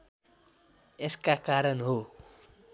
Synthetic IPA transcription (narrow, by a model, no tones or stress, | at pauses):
eskakaɾʌnɦo